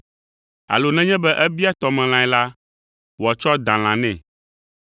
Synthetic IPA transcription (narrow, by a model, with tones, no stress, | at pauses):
a̰˨lo˨nɛ̃˦ɲɛ̃˦bɛ˦ʔɛ˦bi˦a˦t̪ɔ˨mɛ̃˨l̃ã˨ɛ˨la˦ | wo˨a˨t͡ʃɔ˦d̪ã˨l̃ã˨nɛ̃˨